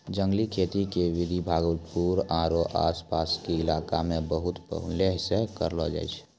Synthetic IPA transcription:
d͡ʒə̃ŋɡlikʰeːt̪ikeʋɪd̪ʱibʱaːɡəlpuːɾaːɾoʔa̰ːspaːskiɪlaːkamẽbəɦʊt̪pə̰ɦʊnleɦɪsekəɾlɔd͡ʒa̰ːɪt͡ʃʰ

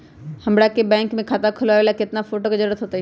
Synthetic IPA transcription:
hɐ̃mɽakebɛ̃ːŋkmẽkʰaːt̪akʰʊlaʋeːlakɪt̪nafoːʈokazəɾuːɾət̪ɦoːt̪a

